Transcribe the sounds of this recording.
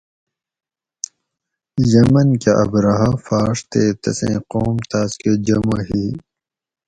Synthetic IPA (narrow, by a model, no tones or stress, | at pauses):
jɐmɐnkeʔɐ̰bɾɐɦafaːʂt̪eːt̪ɐ̰sḛ̃ːqoːmt̪aːsked͡ʑɐmoɦiː